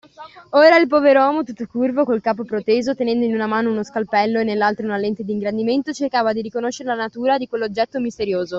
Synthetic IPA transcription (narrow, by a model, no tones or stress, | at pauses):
oːɾailpɔːveɾoɔːmot̪ut̪ːokurvokolkaːpopɾot̪eːzot̪enɛnd̪oinunamaːnounoskalpɛlːoenːelːalt̪ɾaunalent̪ed̪iŋɡɾand̪iment̪ot͡ʃerkaːvad̪iɾikonoʃːeɾelanat̪uːɾad̪ikwelːod͡ʒːɛt̪ːomist̪eɾjoːzo